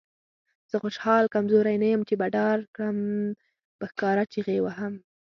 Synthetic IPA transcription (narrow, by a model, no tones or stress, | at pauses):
z̥əxʊʃhɑlkamzoɾajnajəmt͡ʃebaɖɑɾkɽam | pəxkɑɾat͡ʃiɣewaɦam